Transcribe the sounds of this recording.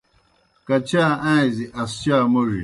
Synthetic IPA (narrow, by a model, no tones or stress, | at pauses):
kat͡ʃaãiziʔast͡ʃamoɾḭ